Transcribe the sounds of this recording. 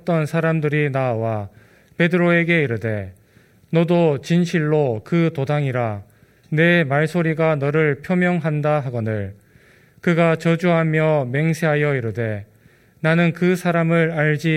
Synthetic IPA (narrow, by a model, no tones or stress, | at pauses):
t͈ʌnsʰaɾamdɯɾinawa | pe̞dɯɾoe̞ɡe̞iɾɯde̞ | nʌdot͡ɕinɕʰiɭːokɯtodaŋiɾa | ne̞maɭsʰoɾiɡanʌɾɯɭpʰjʌmjʌŋɦandaɦaɡʌnɯɭ | kɯɡat͡ɕʌd͡ʑuɦamjʌme̞ŋsʰe̞ɦajʌiɾɯde̞ | nanɯnkɯsʰaɾamɯɾaɭd͡ʑi